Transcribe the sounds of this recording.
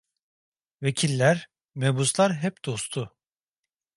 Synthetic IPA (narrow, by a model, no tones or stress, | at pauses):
vecʰilʲːæɾ | mebuslˠaɾɦɛpd̪̥o̞st̪ʰʊ